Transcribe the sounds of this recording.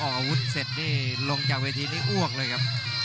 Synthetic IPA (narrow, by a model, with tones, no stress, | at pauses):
ʔɔː˨˩a˧wu˦˥t̪̚se˨˩t̪̚niː˥˩lo˧ŋt͡ɕaː˨˩k̚weː˧t̪ʰiː˧da˥˩jʔu˥˩ək̚lɤː˧jkʰa˦˥p̚